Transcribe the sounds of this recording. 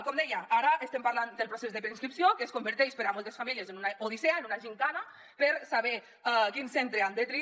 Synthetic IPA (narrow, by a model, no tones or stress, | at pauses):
kɔmd̪ɛjaaɾaʔest̪empaɾland̪əlˠpɾosezðəpɾeinskɾipsiokeːskombəɾt̪eʃpeɾamolˠt̪esfamiljezenunaoð̞iseaenunaʒiŋk̪ana | pəɾsaβɛ | kinsent̪ɾeand̪ət̪ɾi